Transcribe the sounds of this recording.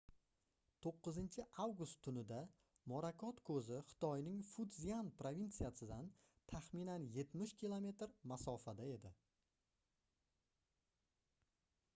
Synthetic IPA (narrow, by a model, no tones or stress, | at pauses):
t̪ʰoqːɨzɪnt͡ʃʰɪʔawɡʊst̪ʰːʊnɪd̪a | mɒɾakʰɒt̪kʰɵzɪχɨ̥t̪ʰɒjnɪŋfud̪zijanpɾovint̪sijasɪd̪an | t̪ʰaχminanje̞t̪mɪʃkʲilˠome̞t̪ɾmasɒfad̪ae̞d̪ɪ